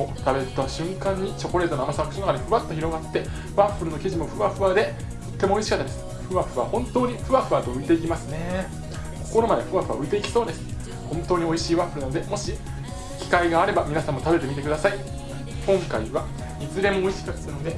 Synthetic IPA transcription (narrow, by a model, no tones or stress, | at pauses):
ot̪abe̞ɾɯt̪aɕɨ̃ŋkãɲ̟ːit͡ɕo̞ko̞ɾe̞t̪onamasaɡakɯɕonakaniɸɯ̟βat̪ːo̞çʲiɾo̞ɡat̪ːe̞ | βaɸɯɾɯ̟no̞kʲiʑimo̞ɸɯ̟βaɸɯ̟βad̪e̞ | t̪o̞t̪ːe̞mo̞o̞iɕi̥kat̪ːad̪e̞sɨ̥ | ɸɯ̟βaɸɯ̟βa̰hõ̞nt̪o̞ːɲ̟iɸɯ̟βaɸɯ̟βat̪o̞ɯ̟it̪e̞ikʲimasɨne̞ | ko̞ko̞ɾo̞mad̪e̞ɸɯ̟βaɸɯ̟βaɯ̟it̪e̞ikʲi̥so̞ːd̪e̞sɨ̥ɨ̥ | hõ̞nt̪oːɲ̟io̞iɕiːβaɸɯɾɯ̟nano̞d̪e̞mo̞ɕi | kʲi̥kaiɡaːɾe̞bamʲinasãmːo̞t̪abet̪e̞mʲit̪ekɯ̟d̪asai | kõ̞ŋkaiβa | it͡sɨɾẽ̞moːiɕi̥kat̪ːanod̪e̞